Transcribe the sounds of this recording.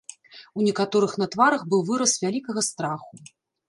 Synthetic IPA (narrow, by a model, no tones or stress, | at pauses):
unʲɛkat̪ɔɾɨxn̪ɐt̪vaɾɐxbɨwvɨɾɐsvʲalʲikɐɣɐst̪ɾaxu